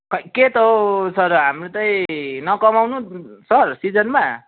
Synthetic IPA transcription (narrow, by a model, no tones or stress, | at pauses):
kʌket̪ʌsʌɾɦamrot͡saĩnʌkʌmawnusʌrsid͡zʌnma